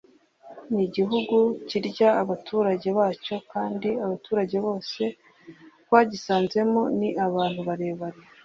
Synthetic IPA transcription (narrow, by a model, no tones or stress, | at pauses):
niɟiɦuɡuciɾɟaːβatʰuːɾaɟe̞βaːco̞kaːndiaβatuːɾaɟe̞βo̞ːse̞ | waːɟisaːnze̞moniʔaβaːn̥huβaɾe̞ːβaɾe